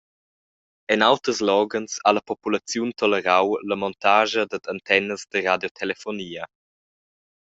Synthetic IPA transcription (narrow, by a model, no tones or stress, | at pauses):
ɛnawt̪əslɔːɡənsaləpɔpulat͡sjunt̪ʰɔləɾawləmɔnt̪aːʒəd̪əd̪ant̪ʰɛnəzd̪əɾadjɔt̪ʰɛlefɔniːə